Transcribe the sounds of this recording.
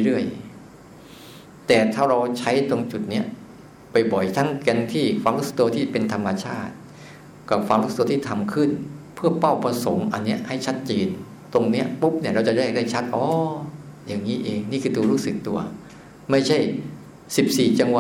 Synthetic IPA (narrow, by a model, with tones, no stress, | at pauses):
ɾɯ˥˩əj | t̪ɛː˨˩t̪ʰaː˥˩wɾa˧wt͡ɕʰa˦˥jt̪o˧ŋt͡ɕu˨˩t̪̚ni˦˥ɐ | pa˧jbɔ˨˩jt̪ʰa˦˥ŋkɛ˧nt̪ʰiː˥˩kʰaː˧˥ŋɾu˦˥sḁ˧˩t̪u˧t̪ʰiː˥˩pe˧nt̪ʰa˧mːa˧t͡ɕʰaː˥˩t̪̚ | kɔ˨˧˩kʰwaː˧˦ŋɾu˦˥˨t̪ːt̪iː˥˩t̪ʰa˧mkʰɯ˥˩npʰɯ˥˩ɐpa˥˩wpɾa˧so˩˦ŋʔa˧nːi˦˥ɐʔha˥˩jt͡ɕʰa˦˥t̪̚t͡ɕeː˧n | t̪o˧ŋni˦˥ɐpu˦˥p̚ni˥˩ɐɾa˧wt͡ɕa˨˩da˥˩da˥˩t͡ɕʰa˦˥t̪̚ʔɔː˧˥ja˨˩ŋːiː˦˥ʔeː˧ŋniː˥˩kʰɯː˧d̪uː˧ɾuː˦˥sɯ˨˩k̚t̪ṵ˧ɐ | ma˥˩jt͡ɕʰa˥˩j | si˨˩p̚siː˨˩t͡ɕa˧ŋwa˨˧